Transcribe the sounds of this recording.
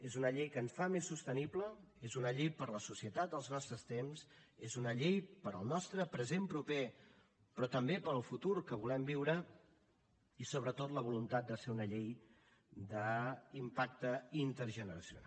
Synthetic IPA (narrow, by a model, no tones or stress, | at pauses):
ezunəʎejkənsfamesːust̪əniplə | ezunəʎejpəɾləsusiət̪at̪̚əlˠznɔst̪ɾəst̪ems | ezunəʎejpəɾəlˠnɔst̪ɾəpɾəzempɾupe | pɾɔt̪əmbepəɾəlˠfut̪uɾkəβulɛmbiwɾə | isoβ̞ɾət̪ot̪ləβ̞ulunt̪at̪̚d̪əseɾunəʎej | d̪əimpak̚t̪əint̪əɾʒənəɾəsjṵna̰